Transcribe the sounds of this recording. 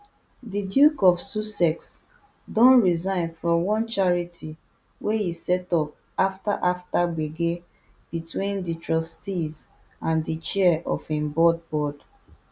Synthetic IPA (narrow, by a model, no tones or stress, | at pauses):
didjukɔfsusɛks | dɔ̃nɹizãɪ̃nfɹɔ̃mwɔ̃nt͡ʃaɹitʰi | wehisɛtɔp̚ | afta̰ʔaftabeɡe | b̥itwĩnditɹɔstiz | ãndit͡ʃɛʔɔfɛ̃mbɔd̚bɔd̥